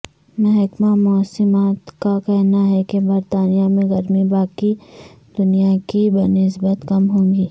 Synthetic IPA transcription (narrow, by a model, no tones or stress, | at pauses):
mɛ̃ɦɐkmamɔsɪmaːt̪kakɛɦnaɦɛkebɐɾt̪aːnijamẽɣɐɾmibaːki | d̪ʊnijakibɐɾnɪs̬bət̪kɐmɦõːŋɡiː